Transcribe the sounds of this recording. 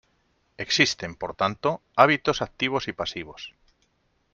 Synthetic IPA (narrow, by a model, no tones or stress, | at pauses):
e̞ksist̪e̞mpoɾt̪ant̪oaβ̞it̪osak̚t̪iβ̞o̞sipasiβ̞o̞s